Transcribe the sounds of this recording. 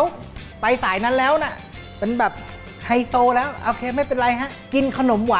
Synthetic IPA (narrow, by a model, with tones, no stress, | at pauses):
w | pa˧jsaː˩˦jna˦˥nlɛː˦˥wna˧˩ | pe˧nbɛː˨˩p̚ | ha˧jsoː˧lɛː˦˥wʔoː˧kʰeː˧ma˥˩jpe˧nɾa˧jɦa˦˥ʔki˧nkʰa˧no˩˦mwaː˨˦